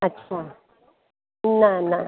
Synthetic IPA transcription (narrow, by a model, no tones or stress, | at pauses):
at͡ʃʰa | nana